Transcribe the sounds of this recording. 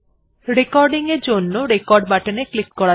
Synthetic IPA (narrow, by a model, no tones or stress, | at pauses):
ɾekɔɾɖiŋeɾd͡ʒonːoɾekɔɾɖbaʈeneklik̚kɔɽa